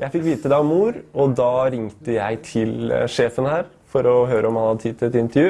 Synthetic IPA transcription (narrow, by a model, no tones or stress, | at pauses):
jʔæɪfɪkːʋiːt̪əd̪ɛɑʋmuːɾɔd̪ɑːɾɪŋt̪əjæɪt̪ʰɪlʂeːfənhæːɾ | fɔɾɔɦøːɾʔəɔmhɑnhɑd̪ət̪ʰiːd̪lɛt̪ɪnt̪əɾjʉː